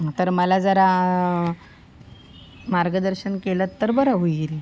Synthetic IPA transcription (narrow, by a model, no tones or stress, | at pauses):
t̪əɾməlad͡zəɾa | maɾɡəd̪əɾɕənkelət̪ːəɾbəɾəɦujɾi